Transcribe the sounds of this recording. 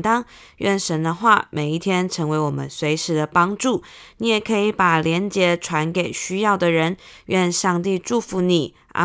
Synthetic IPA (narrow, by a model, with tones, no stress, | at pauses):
t̪ɑ˥ŋ | ɥɛ˥˩nʂə˧˥nd̪ə˧xwa̰˥˩mʔe˨˩ɪi˥˩t̪ʰjɛ˥nʈ͡ʂʰɤ˧˥ŋwe˧˥ɪwɔ˨˩mə̰˦nswe˧˥ɪʂɻ̩˧˥d̪ə˧pɑ˥ŋʈ͡ʂu˥˩ni˧˥jɛ˨˩kʰɤ˧˥i˧˥pa˨˩ljɛ˧˥nt͡ɕjɛ˧˥ʈ͡ʂʰwa˧˥nke˨˩ɪɕy˥jɑ˥˩ʊd̪ə˩ɻə˧˥nɥɛ˥˧nʂɑ˥˧ŋt̪i˥˧ʈ͡ʂu˥˩fu˧˥ni˨˩ | ʔa̰˧˥